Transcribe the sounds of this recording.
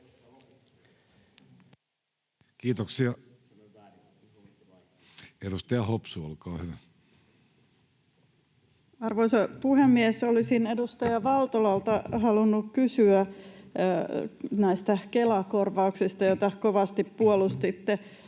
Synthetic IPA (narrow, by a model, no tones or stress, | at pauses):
kiːt̪oksiɑ | eɾust̪ɑjɑhopsuo̰lkɑːhyʋæ | ɑrʋojsɑpuhemːiesolisine̞dust̪ɑjɑʋɑlt̪olɑlt̪ɑhɑlunːukkysyæ | næist̪ækelɑkorʋɑuksist̪ɑjot̪ɑkoʋɑst̪ippuolust̪it̪ːe